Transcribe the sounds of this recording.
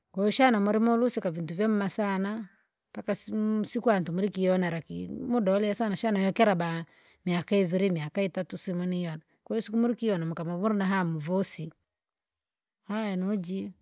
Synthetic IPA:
kwɛjuʃanamuɾimɔlusikavintuvjɛm̩masana | mpakassikuantumuɾikijɔnaɾakḭmudɔɔliasanaʃanajɔkɛɾaba | miakaiviɾimiakaitatusimunijɔna | kɛjusikumuɾikiɔnamukamamuɾinaɦamuvɔsi | haɛnɔd͡ʒi

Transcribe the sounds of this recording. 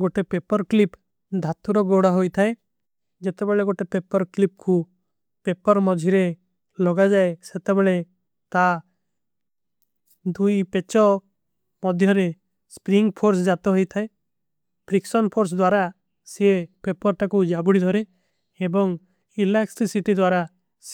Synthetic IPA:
ɡoʈepepɔɾklip | d̪ʱat̪uɾɔɡoɽaɦojt̪ʰae | d͡ʒet̪ebɛɭeɡoʈepepɔɾklip̚ku | pepɔɾmɔd͡ʒʱiɾe | lɔɡad͡ʒaeset̪ebɛɭe | t̪a | d̪ujpet͡ʃɔ | mɔd̪ʱjɔɾe | spɾiŋɡpʰoɾs̬d͡ʒat̪ɔɦojt̪ʰae | pɾiksɔnpʰoɾs̬d̪waɾa | siepepɔɾʈakud͡ʒabuɽid̪ʱɔɾe | ebɔŋ | ileksisiʈid̪waɾa | s

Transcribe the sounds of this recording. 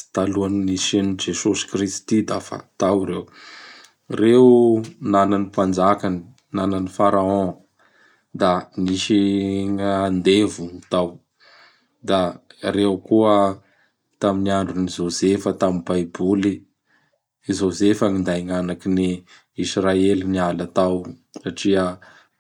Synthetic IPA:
i̥t̪aluannisenid͡ʒesusi̥krist̪id̪afa̰t̪awɾew | rewnananipand͡zakani | nananifaɾaɔ̃ | d̪amiʃiŋaand̪evunt̪aw | d̪aɾewkuə | t̪aminiaɳɖ͡ʐunizozefət̪amibajbuli | zozefəŋind̪ajŋanakini | israelinialat̪awsaʈ͡ʂiə

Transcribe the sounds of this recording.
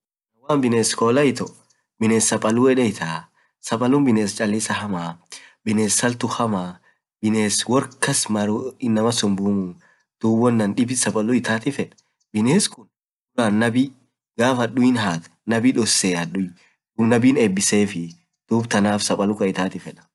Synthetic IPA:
nɐwaːnbɪneːskoːlɐɪt̪ɔ | bɪneːsːɐpʼɐlʊɛᶑɛɪt̪aː | sɐpʼɐlʊnbɪneːst͡ʃʼɐlːɪsɐhɐmaːbɪneːsːɐlt̪ʊhɐmaː | bɪneːswɔɾkːɐsmɐɾuɪnːɐmɐsɔmbuːmu | d̪̥uːbɔnːɐnᶑɪbɪsɐpʼɐlʊɪt̪aːt̪ɪfɛᶑɐ̥ | bɪneːskʊn | ʊɾaːnːɐbɪ | ɡaːfɐɗʊjɪnɦaːt̪ | nɐbɪᶑɔsːeːɐɗʊ | d̪uːnɐbiːneːbːɪseːfɪ | d̪̥uːbt̪ɐnaːfsɐpʼɐlʊkɐɪt̪aːt̪ɪfɛᶑɐ̥

